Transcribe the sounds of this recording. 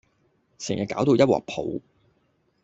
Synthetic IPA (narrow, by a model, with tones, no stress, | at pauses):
sɛː˨˩ŋjɐ˨kaː˨˥wt̪o˧wjɐ˥wɔ̰ː˨˩k̚pʰo̰˨˥w